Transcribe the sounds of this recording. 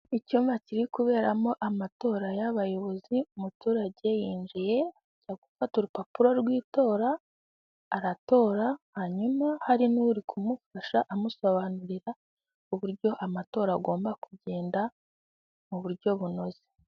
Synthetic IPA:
icuːɱvaciɾikuβe̞ːɾamo̞ʔamato̞ːɾajaβajo̞βo̞ziumutuːɾaɟe̞jiːnd͡ʒije̞ | ɟaɡufatuɾupapuɾoɾɡwiːto̞ːɾaː | ɾato̞ːɾahaɲumahaɾinuɾikʰumufaʃaʔamuso̞βanuɾiɾa | uβuɾɟo̞ʔamato̞ːɾaɡo̞ːmbakuɟe̞ːnda | muβuɾɟo̞βuno̞ze̞

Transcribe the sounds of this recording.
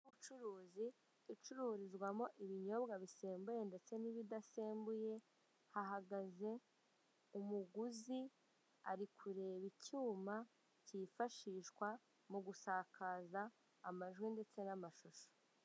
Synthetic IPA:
uβut͡ʃuɾuːzi | it͡ʃuɾuːɾizɡwamo̞ʔiβiɲo̞bɡaβiseːmbuje̞nde̞t͡se̞niβidaseːmbuje̞ | haɦaɡaze̞ | umuɡuzi | a̰ɾikʰuɾe̞ːβicuːma | cifaʃiʃkwa | muɡusaːkʰaːzaː | maʒɡwinde̞t͡se̞namaʃuʃo̥

